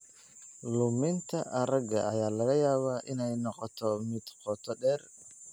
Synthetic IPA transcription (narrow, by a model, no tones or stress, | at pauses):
lʊmɪnt̪ʰɐʔɐɾɐɡɐ̰ʔɐjaːlɐɣɐjaːβaːʔɪnɛjnɔqɔt̪ʰɔmɪd̪̥qʰɔːt̪ʰɔɖɛːr